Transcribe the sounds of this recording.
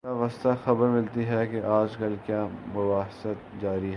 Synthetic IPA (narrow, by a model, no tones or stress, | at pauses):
aʋɐst̪axɐbəɾmɪlt̪iɦɛkeʔaːd͡ʒkɐlkjaːmʊbaːɦsət̪̚d͡ʒaːɾiɦɛ